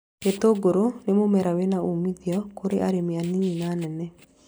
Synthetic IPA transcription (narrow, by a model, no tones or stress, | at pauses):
et̪oɡoɾonemomɛɾawenaumiðjɔkoɾeʔa̰ɾemianininanɛnɛ